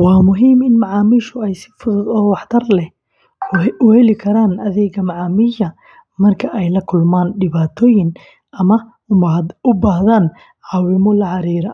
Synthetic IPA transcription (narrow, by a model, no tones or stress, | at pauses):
wɑːmʊɦiːmɪnmɑʕɑːmiːʃʊɛjsɪ̥fʊðʊðɔːwɑħt̪ʰɐrlɛh | ʊhɛlɪkʰɐɾaːnʔɐðɛːɡɐmɑʕɑːmiːjɐ | mɐrkʰɐʔɛjlɐkʰʊlmaːnɖɪβaːt̪ʰɔːjɪn | ɐmɐ | ʊmʊbaːɦðaːn | ʕɑːwɪmɔlɐʕɑɾiːɾɐ